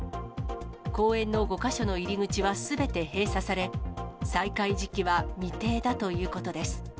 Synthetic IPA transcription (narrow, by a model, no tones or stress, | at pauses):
ko̞ːẽ̞nːo̞ɡo̞kaɕo̞no̞iɾʲiŋɯ̟t͡ɕiβasɨbe̞t̪e̞he̞ːsasaɾe̞saikaiʑikʲiβamʲit̪e̞ːd̪at̪o̞jɯ̟ːko̞t̪o̞d̪e̞sɨ̥